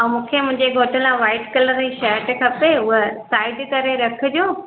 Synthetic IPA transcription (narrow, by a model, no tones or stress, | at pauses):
ɐ̃mũːkʰemʊ̃ɦɪ̃ɲd͡ʑeɡʱoːʈʰəlãʋaːɪʈkɐləɾiʃɛːɾʈkʰɐpeʊɦəsaːɪɖkɐɾeɾɐkʰə̆d͡ʑoː